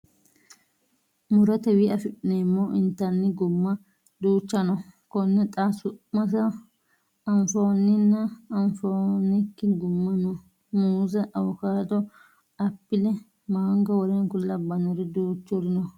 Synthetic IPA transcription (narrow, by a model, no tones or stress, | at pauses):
mʊɾɐt̪ɛwɪʔɐfɪɗɪnemːɔʔɪnt̪ːɐnːɪɡʊmːɐ | d̪uːt͡ʃːɐnɔkɔnːɛt̪ʼasʊmɐsɐ | ɐnfoːnɪnːɐɐnfoːnɪkːɪɡʊmːɐnɔ | muːzɐʔɐwɔkaːd̪ɔ | ɐpːɪlɛ | maːŋɡɐwɔɾeŋkʊlːɐbɐnɔɾɪd̪uːt͡ʃːɔɾɪnɔ